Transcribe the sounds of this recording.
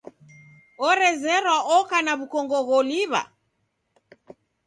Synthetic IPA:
ɔɾɛzɛɾwaʔɔkanaβukɔŋɡɔɣɔliβa̰

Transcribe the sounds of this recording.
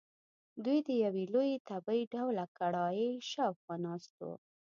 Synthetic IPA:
d̪ujd̪əjawelojet̪abəjɖawlakaɽɑjəjʃəfxɑnɑst̪o̰

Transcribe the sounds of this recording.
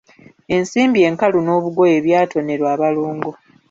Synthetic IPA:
e̞nsiːmbie̞ːŋkaluno̞ːβuɡo̞je̞βjaːtʰo̞ne̞ɾwaːβaloːŋɡo̞

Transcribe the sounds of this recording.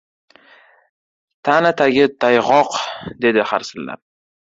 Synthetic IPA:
t̪ʰanɪt̪ʰaɡʲɪt̪ʰajʁɒqd̪e̞d̪ɪχaɾsɪlːa̰ɾ

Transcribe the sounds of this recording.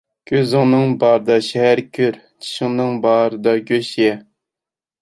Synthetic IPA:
kʲʰøzɪŋnɨŋbɑːɾɨd̪ɑʃɛhæɾkʲʰøɾ | t͡ʃʰi̥ʃɪŋnɨŋbɑːɾɨd̪ɑɡʲøʃjɛ

